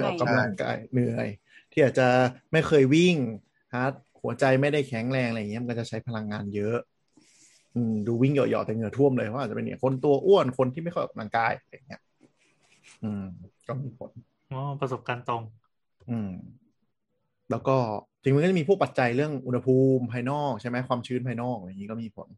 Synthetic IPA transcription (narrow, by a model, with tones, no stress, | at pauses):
ʔɔ̰ː˨˩ka˧amla˧ŋka̰ː˧jnɯ˨˩əj | t̪ʰiː˥˩ʔaː˨˩t̪̚t͡ɕa˨˩ma˥˩jxʰɤː˧jwi˥˩ŋ | ha˦˥t̪̚hu˨˩˦ɐt͡ɕa˧jma˥˩jda˥˩jkʰɛ˩˦ŋɾɛː˧ŋʔa˧˨ŋi˦˥˨a˧kɔː˥˩t͡ɕa˨˩t͡ɕʰa˦˥jpʰa˧la˧ŋːaː˧njɤ˦˥ʔ | ʔɯː˧˩mduː˧wi˥˩ŋjɔ̰˨˩jɔ̰˨˩t̪ɛː˨˩nɯ˨˩˦t̪ʰu˥˩əmlɤː˧pʰɔː˦˥˧t͡ɕa˨e˧nḭ˦˥˩kʰo˧nt̪u˧ɐʔu˥˩ənkʰo˧nt̪ʰiː˥˩ma˥˩jxjɔ̰ː˨˩ka˧laː˧ŋkaː˧ja˧ja˨˩ŋːi˦˥ɐ | ʔɯː˧˩mkɔː˥˩miː˧˩pʰo˩˦n | ʔɔː˧˩pɾso˨˩p̚kaː˧nt̪o˧ŋ | ʔɯː˧m | lɛː˦˥wkɔː˥˩t͡ɕi˧ŋma˧kːt͡ɕmːʰ˧u˥˩kpa˨˩t̪̚t͡ɕa˧jɾɯ˥˩əŋʔu˧nha˧pʰuː˧mpʰaː˧jnɔː˥˩k̚t͡ɕʰa˥˩jmɛ˦˥kʰwaː˧mt͡ɕʰɯː˦˥npʰaː˧jnɔː˥˩k̚a˧jŋiː˦˥kɔː˥˩miː˧˩pʰo̰˨˩˦n